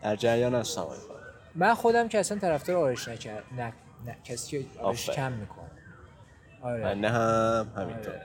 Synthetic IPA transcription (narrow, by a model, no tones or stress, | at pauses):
d̪æɾd͡ʒæɾjɒːnæssæ̰mɒ̰ːjfɑ̰ɾ | mænxod̪æmcʰeæsænt̪ʰæɾæfd̪ɒːɾɒːɾeʃnæænæ | næcʰæsiceɒːɒefʃekʰæmːiːkʰo̰næ | ɒɾemænːeɦæmhæmḭnɾʰoɾ